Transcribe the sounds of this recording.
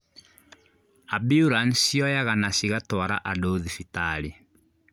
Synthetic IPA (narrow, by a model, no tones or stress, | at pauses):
abiuɾansjɔjaɣanasiɣatwaɾa̰ʔadoðifitali